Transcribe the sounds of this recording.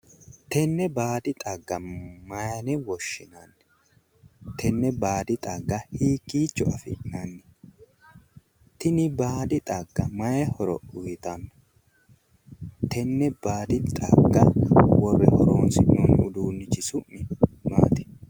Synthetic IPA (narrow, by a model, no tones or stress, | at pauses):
t̪ɛnːɛbaːd̪ɪt̪ʼɐɡːɐmɐjɐnɛwɔʃːɪnɐnːɛ | t̪ʰɛnːɛbaːd̪ɪt̪ʼɐɡːɐhiːkːiːt͡ʃːɔɐfɪ̰nanːɛ | t̪ɪnɪbaːd̪ɪt̪ʼɐɡːɐmɐjɛhɔɾɔ̰ʔʊjɪt̪ɐnːɔ | t̪ʰɛnːɛbaːd̪ɪt̪ʼɐ̰ɡːɐwɔrːɛhɔɾoːnsɪnɔnʊd̪uːnːɪt͡ʃɪsʊʔɪma̰ːt̪ɛ̥